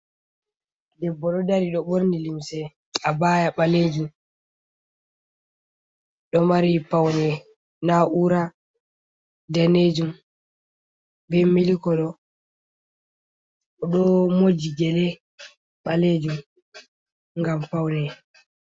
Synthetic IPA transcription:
dɛbːɔɗɔdaɾiɗɔɓoɾnilimsɛ | abaːjaɓaled͡ʒum | ɗɔmaɾipawnɛ | naʔuɾa | daned͡ʒum | bɛmelikɔɗɔ | ɔɗɔmod͡ʒiɡɛlɛ | ɓaled͡ʒum | ŋɡampawnɛ

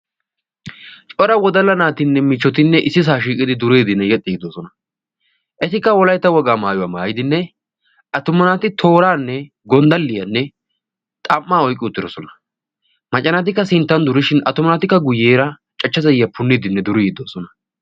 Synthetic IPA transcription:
t͡ʃʼɔɾɐwɔd̪ɐlːɐnaːt̪ɪnːɛmɪt͡ʃːɔt̪ɪnːɛʔɪsːɪs̬aːʃiːkʼɪd̪ɪd̪ʊɾeːd̪ɪnːɛjɛt̪ʼːɪɡɪd̪oːsɔnɐ | ʔɛt̪ɪkːɐwɔlɐjt̪ːɐwɔɡaːmaːjʊwaːmaːjɪd̪ɪnːɛ | ʔɐt̪ʊmːɐnat̪ɪt̪ʰo̞ːɾaːnːɛ | ɡɔnd̪ɐlːɪjɐnːɛ | t̪ʼɐmːaːɔjkʼːɪʊt̪ːɪd̪ɔsɔnɐ | mɐt͡ʃʼːɐnɐt̪̬ɪkːɐsɪnt̪ːɐnd̪ʊɾɪʃɪnɐt̪ʊmɐnat̪ɪkːɐɡʊjːeːɾɐ | t͡ʃʼɐt͡ʃːɐzɐjɪjɐpʊnːɪd̪ɪnːɛd̪ʊɾɪɡɪd̪oːsɔnɐ

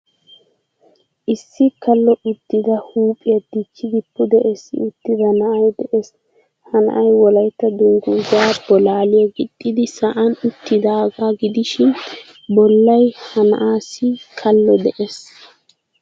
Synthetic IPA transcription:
ʔɪsːɪkɐlːɔʔʊt̪ːɪd̪ɐhuːpʼɪjɐd̪it͡ʃːɪɡɪpːʊd̪ɛʔesɪ̰ʊt̪ːɪd̪ɐnɐʔɐjd̪ɛʔes | hɐnɐ̰ʔɐjwɔlɐjt̪ːɐd̪ʊŋɡʊɡabɔlaːlɪjɐɡɪt̪ʼːɪd̪ɪsɐʔɐnʊt̪ːɪd̪aːɡaːɡɪd̪ɪʃɪn | bɔlːɐjhɐnɐ̰ʔaːsːɪkʰɐlːɔd̪ɛʔes

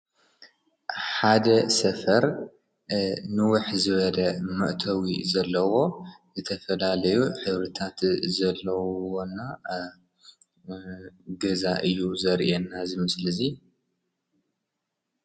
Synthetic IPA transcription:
ħad̪ɐsɐfɐɾ | nɨwʊħzɨβɐd̪ɐmɐʔt̪ʰɐwizɐlːɐwo̞zɨt̪ʰɐfɐlalɐjuħɨβɾɨt̪ʰat̪zɐlːɐwonːa | ɡɐzaʔɨjːuzɐɾʔenːazɨmɨslɨzi

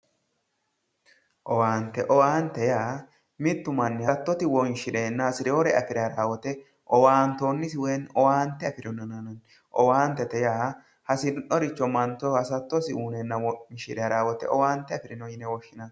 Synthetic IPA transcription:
ʔɔwaːnt̪ɛʔɔwaːnt̪ːɛjaː | mɪt̪ːʊmɐnːɛhɐt̪ːɔt̪ɪwɔnʃɪᶑeːnːɐhɐsɪɾɛɔɾɛɐfɪɾɛɐɾaːwɔt̪ɛ | ʔɔwaːnt̪onːɪsɪwɛnɔwaːnt̪ːɛɐfɪɾɔnɐnɐnɐn | ʔɔwaːnt̪ːɛt̪ɛjaː | hɐsɪnnɔɾɪt͡ʃːɔmɐnt̪ːɔhɐsɐt̪ːɔsɪuːnɛnːɐɔnʃɪɾɛɐɾaːwɔt̪ɛ̰ʔɔwaːnt̪ːɛɐfɪɾɪnɔjɪnɛwɔʃːɪnɐn

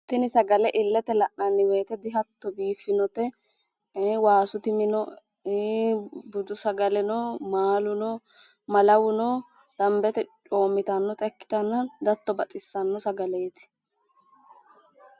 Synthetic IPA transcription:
t̪ɪnɪsɐɡɐlɛʔɪlːɛt̪ɛlɐʔnɐnːɪweːt̪ɛd̪ɪɦɐt̪ːɔbiːfːɪnɔt̪ɛ | waːsʊt̪ɪmɪnɔ | bʊd̪ʊsɐɡɐlɛnɔmaːlʊnɔ | mɐlɐwʊnɔ | d̪̥ɐmbɛt̪ɛt͡ʃoːmːɪt̪ɐnːɔt̪ʼɛkːɪ̥t̪ɐnːɐnd̪ɐt̪ːɔbɐt͡sʼɪsːɐnːɔsɐɡɐlɛːt̪ɪ̥

